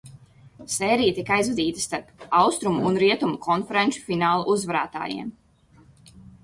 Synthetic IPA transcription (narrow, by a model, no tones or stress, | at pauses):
sɛːɾijt̪ikajzvɛd̪iːt̪əst̪aɾpawst̪ɾumuʔunɾiɛt̪umukʰɔnfɛɾenʃu̥finaːlˠuʔuzvaɾa̰ːt̪a̰ːjḭɛm